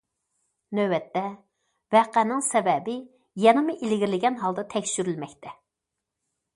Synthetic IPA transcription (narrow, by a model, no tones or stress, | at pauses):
nøwɛt̪ːɛ | vɛqænɪŋsɛbɛbɪ | jɛnɨmuʔilɪɡʲiɾɪlɪɡʲɛnɦɑlˠd̪ɑt̪ʰɛkʲʃyɾylmɛkʲt̪ʰɛ